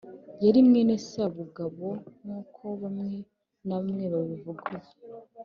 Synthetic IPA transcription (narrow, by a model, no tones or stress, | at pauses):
jaɾimŋe̞ne̞saβuɡaβo̞nuːkʰo̞βamŋe̞ | namŋeβaβivuɡuje